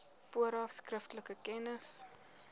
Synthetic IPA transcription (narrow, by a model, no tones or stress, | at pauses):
fuəɾɑfskrəftələkəkɛnəs